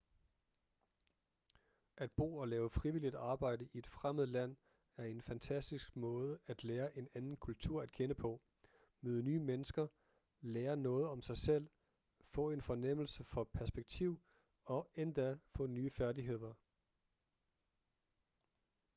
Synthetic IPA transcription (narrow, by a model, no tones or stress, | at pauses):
ʔæd̥̚b̥o̝̰ːɒ̽lɛːʊəfʁiʋilid̥ɑ̈ːb̥ɑ̈ɪ̰dəʔie̝d̥fʁaməð̩ˠəlæn̰ | æɐe̝nfænt͡sʰæsd̥isɡ̥mɔ̽ːð̞ˠəæd̥leːɐʔe̝nænn̩kʰult͡sʰuɐ̰æd̥kʰenəpʰɒ̽ | møːð̞ˠənyːmenəsɡ̥ɐ | leːɐnɔ̽ːð̞̩ˠɒ̽msɑ̈ɪsel̰ | fɔ̰̽ːe̝nfɒ̽nem̰l̩səfɒ̽pʰæɐsb̥eɡ̥̚t͡sʰiʊ̰ | ɒ̽end̥æfɔ̰̽ːnyːəfæɐdiɦe̝ð̰ˠɐ